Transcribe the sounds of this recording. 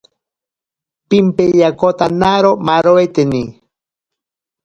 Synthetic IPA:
pimpejakot̪anaɾomaɾoet̪eni

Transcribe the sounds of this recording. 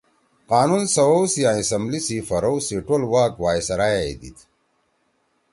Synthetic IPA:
qaːnunsɐwowsijãːisɐmblisifɐɾowsiʈolwaːkwaːjsɐɾaːjeḭd̪ḭt̪ʰ

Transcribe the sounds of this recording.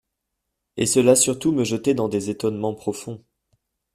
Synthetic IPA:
esəlasyʁt̪uməʒət̪ed̪ɑ̃d̪ezet̪ɔnmɑ̃pχɔfɔ̃

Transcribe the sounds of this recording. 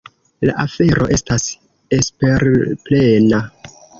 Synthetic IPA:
la̰ʔafe̞ɾo̞̰ʔe̞stas | espe̞ɾple̞na

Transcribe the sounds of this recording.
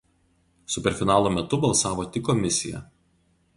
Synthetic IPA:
sʊpʲɛɾfʲɪnɑːlˠoːmʲɛt̪ʊbɐlˠsɑːʋoːt̪ʲɪkːɔmʲɪsʲɪjɛ̰

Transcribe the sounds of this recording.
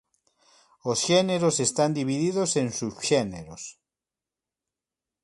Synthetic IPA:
osʃeneɾosest̪and̪iβiðiðosẽnsuβʃeneɾos

